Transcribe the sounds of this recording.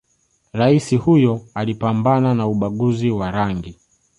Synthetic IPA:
ɾaisihujɔalipambananauɓaɠuziwaɾaŋɡi

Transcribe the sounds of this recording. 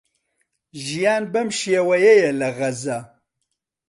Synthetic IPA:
ʒijaːnbɐmʃijɛwɐjɛjɛlɐʁɐzɐ

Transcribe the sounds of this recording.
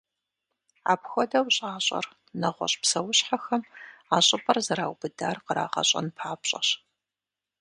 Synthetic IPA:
a̰ːpxʷɔdɐwɕʼaːɕʼɐ̰r | nɐʁʷɔ̰ɕʼpsɐwʊɕħaxɐmaːɕʼɪpʼɐrzɐɾaːwbɨdaːrqəɾa̰ːʁɐ̰ɕʼɐ̰npʰaːpɕʼɐ̰ɕ

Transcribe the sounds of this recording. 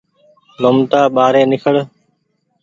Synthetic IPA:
lomt̪aːɓaːɾẽːnɪkʰəɽ

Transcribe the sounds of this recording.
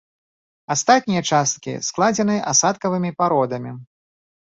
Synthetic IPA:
ast̪at̪̚ʲnʲijɐt͡ʂast̪̚kʲḭsklˠad͡zʲɛnɨʔasat̪kɐvɨmʲipaɾɔd̪ɐmʲi

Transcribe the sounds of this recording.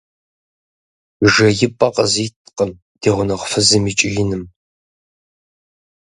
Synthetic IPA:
ʒɐjɪpʼɐqʼəzitʰqəm | d̥eːʁʷʊnɐʁʷfɨzɨmit͡ʃʼɪɮɪnɨm

